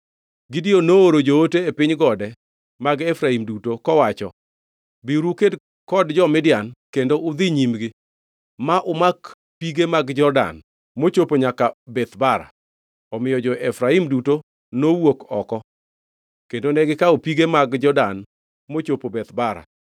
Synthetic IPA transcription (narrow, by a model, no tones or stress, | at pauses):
ɡɪdionooɾod͡ʒooteepɪɲɡɔdɛ | maɡɛfɾaimdutokɔwat͡ʃɔ | biɾuked | kɔdd͡ʒɔmɪdjankendoʊd̪ɪɲimɡɪ | maʔʊmak | piɡemaɡd͡ʒɔrda̰n | mot͡ʃopoɲakabɛt̪baɾa̰ | ɔmɪjɔd͡ʒɔʔefɾaimduto | nowokɔkɔ | kendonɛɡɪkaopiɡemaɡd͡ʒɔdan | mot͡ʃopobɛt̪baɾa̰